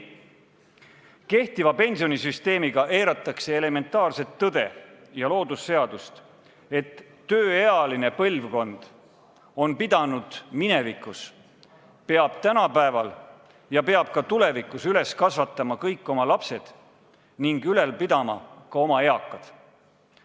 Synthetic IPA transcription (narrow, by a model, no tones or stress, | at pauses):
ke̞ht̪ivɑpe̞nʲsio̞nisyst̪e̞ːmiɡ̥ɑʔe̞ːɾɑt̪ːˑɑkse̞ːle̞me̞nt̪ːˑɑːrse̞t̪ːɤd̪e̞̰jɑlo̞ːd̪usːe̞ɑd̪ust̪ | e̞t̪ː | øːeɑline̞pɤlvko̞nd̪̥ | o̞npid̪̥ɑnud̪̥mine̞vikːˑus | pe̞ɑb̥̚t̪ænɑpæevɑl | jɑpe̞ɑb̥̚kɑt̪ule̞vikˑusyle̞skɑsvɑt̪ːˑɑmɑkɤjkːˑo̞mɑlɑpse̞d̪̥ | niŋɡyle̞lpid̪ɑmɑ̰kɑo̞mɑe̞ɑkːˑɑd̪̥